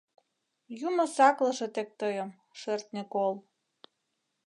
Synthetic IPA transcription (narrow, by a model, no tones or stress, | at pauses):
juməsɑklɤ̆ʃet̪ek̚t̪ɤjə̆m | ʃørt̪̚nekol